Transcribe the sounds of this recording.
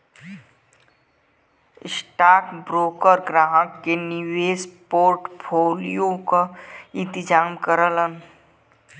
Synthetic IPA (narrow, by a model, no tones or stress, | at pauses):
ɪsʈaːkbɾoːkəɾɡɾãːʈkeniweːspoːɾʈpʰoːlijõkaɪ̃nt̪ɪd͡ʒaːmkəɾələn